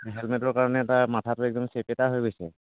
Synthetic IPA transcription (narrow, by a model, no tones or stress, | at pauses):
ɦɛlmɛtɔɹkaɹɔnɛːtamatʰatʊɛk̚dɔmsepetaɦojɡojsɛ